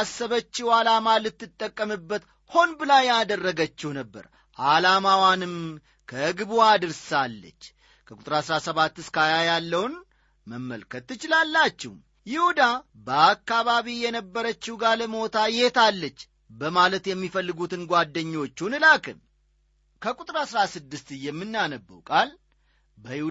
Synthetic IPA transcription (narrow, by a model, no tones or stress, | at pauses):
asːəβət͡ʃːɪwalamalɨt̪ːɨt̪ʼːəkʼːəmɨbːət̪ | ho̞nbɨlajːad̪ərːəɡət͡ʃːɛhnəbːə̰ɾ | ʔalamawanɨm | kʰəɡɨβuad̪ɨɾsalːə̰t͡ʃː | kʰəkʼut̪ʼɾasɾasəβat̪ːɨskajajalːəwn | məmːəlkʰət̪ːɨt͡ʃɪlalːat͡ʃːɛhm | jɪhud̪a | bəakːaβaβijɛnəbːəɾət͡ʃːɪhɡaləmo̞t̪ʰajet̪alːət͡ʃː | bəmalət̪jɛmːifəlːɨɡut̪ɨnɡʷad̪ːəɲːo̞t͡ʃːunɨlakʰɨm | kʰəkʼut̪ʼɾaasɾasɨd̪ːɨst̪ɨjɛmːɨnːanəbːə̰wkʼal | bəjɪhu